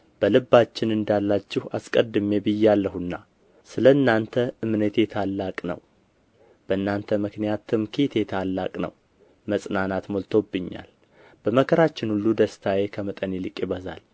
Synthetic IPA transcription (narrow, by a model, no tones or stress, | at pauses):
b̥əlɨbːat͡ʃːɪnɨnd̪alːat͡ʃːɪha̰skʼəd̪ɨme̞bɨjːɛalːəhunːa | sɨləɨnːant̪ʰəɨmnət̪ʰe̞t̪ʰalːakʼnə̰w | b̥əɨnːant̪ʰəmɨknijat̪ʰɨmkʰet̪ʰe̞t̪ʰalːa̰kʼnə̰w | məsʼnanat̪molt̪ʰo̞bːɨɲːa̰l | b̥əməkʰəɾat͡ʃːɪnhulːud̪əst̪ʰajekʰəmət̪ʼənelɨkʼɪβəza̰l